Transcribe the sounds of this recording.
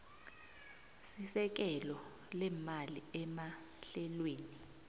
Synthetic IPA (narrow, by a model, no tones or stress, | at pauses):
sisɛk̬ɛlɔ | lɛːmaliɛma | ɬɛlweːni